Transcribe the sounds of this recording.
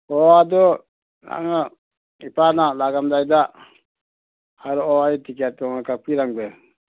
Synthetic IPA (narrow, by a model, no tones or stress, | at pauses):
ɔad̪ɔ | a̰ŋa | ipanalaɡamd̪ajd̪a | aɾɔɔait̪ikat̪ŋakapiɾaŋbɛ